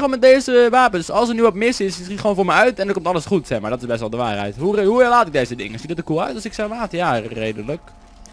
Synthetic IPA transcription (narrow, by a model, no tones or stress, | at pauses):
onmɛt̚dezəʋaːpəndsɔlˠsənyɔpmɪsɪssitχəʋoːnfʊːɹmɛœɥtɛndəkomtɑləsχutsɛmaːɹdɔtɪzbɛstʋɛlˠdəʋaːrɦɛ̰jthuhuɛlaːtɪk̚dejzədɪ̰ŋənsidɔtəkuəœ̰ɥtɔsɪksɛlaːtjareːdələk